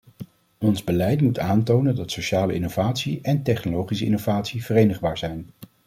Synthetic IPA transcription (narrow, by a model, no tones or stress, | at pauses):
ɔnzbəlɛjtmutaːntownəndɑtsowʃaːləɪnowvaːtsiʔɛntɛχnolowχisəɪ̰nowvaːtsiv̥ərejnəχbaːɹzɛjn